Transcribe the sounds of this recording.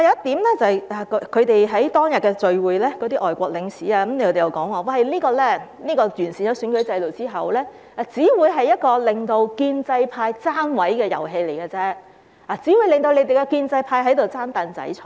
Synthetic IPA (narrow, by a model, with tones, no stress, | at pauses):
aː˨˧jɐ˨wɐ˥t̪iː˨˥mlɛː˥t͡sɐ˨ha˨˩kkʰɵ˨˧ɥt̪e˨jɦɐ˨˥jt̪ɔː˥ŋjɐ˨t̚kɛː˧t͡ʃɵ˨ɥwuː˨˧jlɛː˥kɔː˨˥t̪iː˥ʔɔː˨jkʷɔː˧k̚lɪ˨˧ŋsiː˨˥aː˧kɐ˨˥mle˧kʰːt̪e˨˩jɐ˨˩kɔː˨˥ŋwɔː˨˧wɐ˧jliː˥kɔː˧lɛː˥niː˥kɔː˧jyː˨˩nsi˨njɐ˨˧˥syː˨˥kɵ˨˥ɥt͡sɐ˧jlo˨wt͡siː˥ɦɐ˨wlɛː˥ | ʔa˨˧t͡siː˨˥wuː˨˧jɦɐ˨jːɐ˥t̚kɔː˧lɪ˨˩ŋt̪o˧wkiː˧nt͡sɐ˧jpʰaː˧jt͡saː˥nwɐ˨˥jkɛː˧jɐ̰˨˩wɦe˧jle˨˩jɡɐː˧t͡sɛː˥ | aː˨t͡siː˨˥wu˨˧jlɪ˨ŋt̪o˧wle˨˧jt̪e˨˩jkɛ˧kiː˧nt͡sɐ˧jpʰaː˧jɦɐ˨˥jt̪o˨wt͡saː˥nt̪aː˨˧nt͡sɐ̰˨˥jt͡ʃʰɔ˨